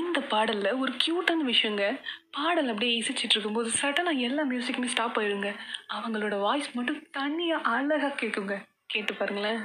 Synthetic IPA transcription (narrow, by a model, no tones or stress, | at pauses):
ɪnd̪ɐpaːɽɐlːɐɔɾɯkjuːʈːɐnʋɪʂɐjɐŋɡɐpaːɽɐlɐpːɐɽɪjeɪsɪt͡ʃːɪʈːɪɾɯkːɯmpoːðɯsɐʈːɐnãːɛlːaːmjuːsɪkːɐmeːsʈaːpːɐɪɾɯŋɡɐɐʋɐŋɡɐɭoːɽɐʋaːjsmɐʈːɯ̃t̪ɐɳːɪjaʔaɭɐɣaːkeːʈːɯŋɡɐ | keːʈːɯpːaːɾɯŋɡɐɭaː